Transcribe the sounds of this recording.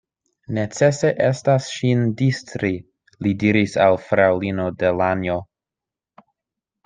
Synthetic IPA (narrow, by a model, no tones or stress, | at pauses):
ne̞t͡se̞se̞ʔe̞stasʃindistɾi | lidiɾisalfɾawlino̞delanjo